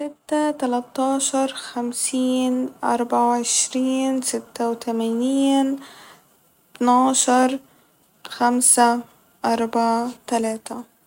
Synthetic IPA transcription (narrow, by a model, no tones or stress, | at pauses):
sɪt̪ːat̪alat̪ːɑːʃɑɾˤxamsiːnʔɑ̰ɾˤbɑʕaʕɪʃɾiːnsɪt̪ːawt̪amaniːn | t̪naːʃɑɾˤ | xamsa | ʔɑɾˤbɑʕat̪alaːt̪a